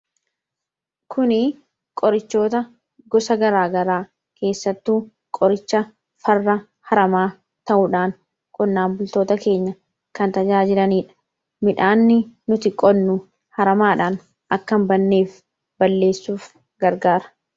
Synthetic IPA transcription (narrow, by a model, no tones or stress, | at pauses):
kʰʊnɪ | kʼɔɾɪt͡ʃːo̞ːt̪ɐ | ɡɔsɐɡɐɾaːɡɐɾaː | kʰe̞ːsːɐt̪ːuː | kʼɔɾɪt͡ʃːɐ | fɐrːɐ | hɐɾɐmaː | t̪ɐʔuːᶑaːŋ | kʼɔnːaːmbʊlt̪o̞ːt̪ɐke̞ːɲːɐ | kɐnt̪ɐd͡ʒaːd͡ʒɪɾɐniːᶑɐ̥ | mɪᶑaːnːɪnʊt̪ɪkʼɔnːʊ | hɐɾɐmaːᶑaːn | ʔɐkːɐmbɐnːeːf | bɐlːe̞ːsːuːf | ɡɐɾɡaːɾɐ̥